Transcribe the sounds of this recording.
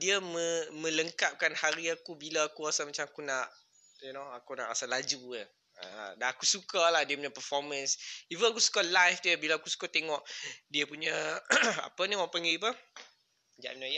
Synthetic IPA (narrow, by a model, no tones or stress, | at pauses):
diəmə̃mə̃ləŋkap̚kanhaɾiakubilaːkuasamat͡ʃamakunaʔ | unoakuna̰ʔasalad͡ʒuə | ə̰daakusukalahdiəpuɲapəfɔmə̃nsivənakusu̥kaʔlajfd̪əbilaːkusu̥kat̪eŋɔʔdiəpuɲaa̰pəniwãʔpaŋɡip̬ə | d͡ʒa̰ʔminaja